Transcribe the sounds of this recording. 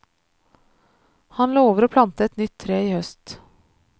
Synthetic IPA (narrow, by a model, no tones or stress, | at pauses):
hɑnloːoːʋəɾoːpʰlɑnt̪əɛt̪nʏt̪ʰːɾeːiːhœst̪